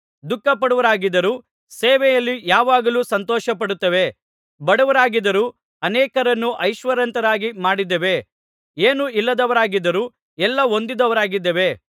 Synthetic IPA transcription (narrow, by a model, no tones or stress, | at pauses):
d̪ukːɐpɐɽuʋɐɾaːɡid̪ɐɾuː | seːʋɛjɐlːijaːʋaːɡɐluːsɐnt̪ɔːʃɐpɐɽut̪ːɐʋe̞ | bɐɽɐʋɐɾaːɡid̪ɐɾuː | ɐnɛːkɐɾɐnːuʔɐjʃʋɐɾɐnt̪ɐɾaːɡimaːɽid̪ɐʋe̞ | eːnuilːɐd̪ɐʋɐɾaːɡid̪ɐɾuː | ɛlːɐɦo̞nd̪id̪ɐʋɐɾaːɡid̪ːɐʋe̞